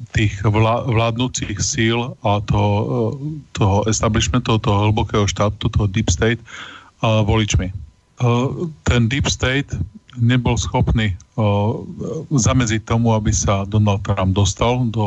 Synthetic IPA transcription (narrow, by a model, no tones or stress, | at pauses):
t̪iːɣaʋlaːd̪nuːt͡sixsiːlat̪ɔɦɔ | t̪ɔɦɔʔɛst̪abliʃmɛnt̪ɔɦɔt̪ɔɦɔɦl̩bɔkɛːɦɔʃt̪aːt̪ut̪ɔɦɔd̪ipst̪ɛjt̪ | ʋɔlit͡ʃmi | t̪ɛnd̪ipst̪ɛjt̪ɲɛbɔlsxɔpniː | zamɛd͡zic̚t̪ːɔmuabisad̪ɔnalt̪̚t̪ːɾamb̚d̪ɔst̪ald̪ɔ